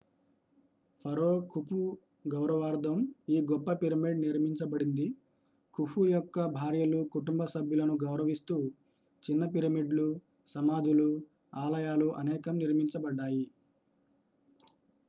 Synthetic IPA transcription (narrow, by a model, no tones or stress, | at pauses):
pʰɐɾoːkʰupʰu | ɡɐwɾɐʋaːɾd̪ʱɐmiːɡɔpːɐpiɾɐmiɖniɾmiɲt͡ʃɐbɐɽind̪i | kʰupʰujɔkːɐbʱaːɾjɐlukuʈumbɐsɐbʱjulɐnuɡɐwɾɐʋist̪uː | t͡ʃinːɐp̬iɾɐmiɖlu | sɐmaːd͡ʒulu | aːlɐjaːluʔɐnɛːkɐmniɾmiɲt͡ʃɐbɐɖːaːji